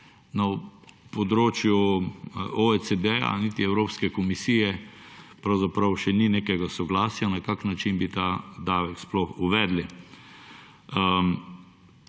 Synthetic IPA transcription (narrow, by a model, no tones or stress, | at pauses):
napɔd̪ɾoːt͡ʃju | ɔɛsɛd̪ɛa̰nit̪iɛwɾoːpskɛkɔmisiːjɛpɾɐwzapɾɐwʃɛnineːkɛɡasɔɡlaːsjanakaknːat͡ʃinbit̪ad̪aʋɛksplɔxuʋɛːd̪li